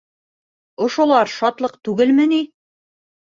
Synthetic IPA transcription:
ŏʃŏlˠɑɾʃɑt̪lˠɤqt̪ʉɡɘlmɘni

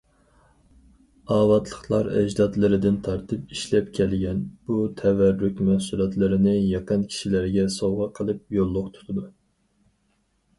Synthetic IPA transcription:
ɑːvɑt̪lˠəχlˠɑɾɛ̰d͡ʒd̪ɑd̪lˠɨɾɨd̪ɪnt̪ʰɑɾt̪ʰɨpiʃlɛpkʲʰɛlɡʲɛnb̥ut̪ʰɛvæɾːykʲmɛhsulˠɑt̪lˠɨɾɨnɨjɑqənkʲʰi̥ʃilæɾɡʲɛsowʁɑqʰəlˠɨp̚jolˠːʊqt̪ʰu̥t̪ʰɨd̪u

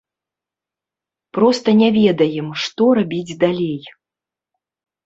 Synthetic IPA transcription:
pɾɔst̪ɐnʲɛvʲɛd̪ɐjɛmʂt̪ɔɾabʲid͡zʲd̪alʲej

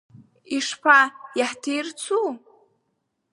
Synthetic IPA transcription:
iʂpʰajaħtʰejrt͡sʰu

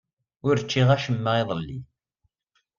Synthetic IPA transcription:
ʊɾt͡ʃːiʁæʃəmːəʁeðˤəlːḭ

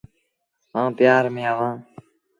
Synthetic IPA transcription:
sãːt̪ɪjaːɾmẽːəʋãː

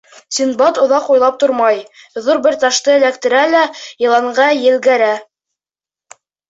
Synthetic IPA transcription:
sinbɑt̪ŏðɑqujlˠɑp̚t̪oɾmɑj | ðuɾbɘɾt̪ɑʃt̪ɤɘ̆lækt̪ɘ̆ɾælæjɤ̆lˠɑɴɢɑjɘ̆lɡæɾæ

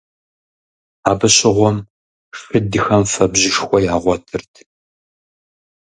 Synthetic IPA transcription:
aːbɨɕɪʁʷɔm | xɨdɨxɐmfɐbʑɪʃxʷɔjaːʁʷɔtʰɨrtʰ

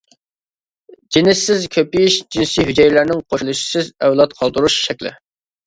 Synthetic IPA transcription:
d͡ʒinɪssɪzkʲʰøpijiʃd͡ʒinsijɦyd͡ʒɛjlæɾnɪŋqʰoʃulˠuʃi̥sɪzɛwlˠɑt̪qʰɑlˠd̪uɾuʃʃɛkʲlɪ̰

